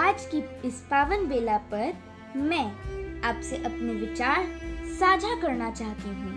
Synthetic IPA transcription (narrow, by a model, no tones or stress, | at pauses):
aːd͡ʒkiɪspaːʋənbeːlapɐɾ | mɛ̃ːaːpseʔɐpneʋɪt͡ʃaːɾsaːd͡ʒʱakɐɾnat͡ʃaːɦt̪iɦũː